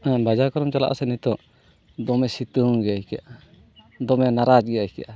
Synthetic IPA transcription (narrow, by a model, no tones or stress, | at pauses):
bad͡ʒaɾkɔɾɔmt͡ʃala̰ʔa̰sɛnit̪ɔ | d̪ɔmɛsit̪uŋɡɛaikɛaʔa | d̪ɔmɛnaɾat͡ʃɡɛjahikiaʔa